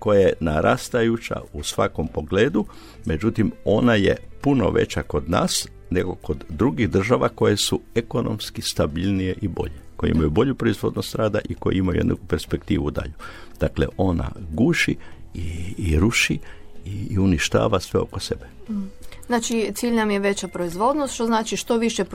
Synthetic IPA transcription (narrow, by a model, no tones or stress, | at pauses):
ko̞jajenaɾʔast̪ajut͡ʃa̰usʋako̞mpo̞ɡleːd̪u | me̞d͡ʒut̪imo̞najḛpuno̞̰ʋe̞̰t͡ɕako̞d̪na̰ːs | ne̞ɡo̞ko̞d̪ːɾuɡiɣd̪r̩ʒaʋako̞je̞sueko̞no̞̰mskist̪abilnijeʔibo̞̰ʎekojḛḭmajubo̞ʎupɾoizʋo̞d̪nost̪ɾaːd̪aʔiko̰jḛimajujed̪na̰kupe̞ɾspe̞kt̪ḭːʋud̪a̰ʎud̪̥aklḛʔo̞na̰ɡuːʃiiːɾuʃiiuniʃt̪a̰ːʋasʋeo̞̰kose̞be | znaːt͡ʃit̪siːʎnamjeʋe̞t͡ɕapɾoizʋo̞d̪nost̪ʃt̪oznaːt͡ʃiʃt̪oʋiʃe